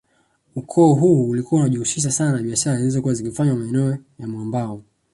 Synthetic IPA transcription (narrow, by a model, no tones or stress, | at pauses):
ukʰɔːɦuːlikuwaunaʄihusiʃ̬asananaɓiaʃaɾazilizɔkuwazikifaɲwamaɛnɛɔjamwambaɔ